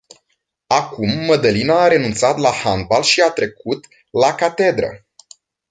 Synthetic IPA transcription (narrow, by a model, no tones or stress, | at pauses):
akumːəd̪əlinaːɾe̞nunt̪sat̪lahand̪̚balʃiat̪ɾe̞kut̪ | lakat̪e̞d̪ɾə̰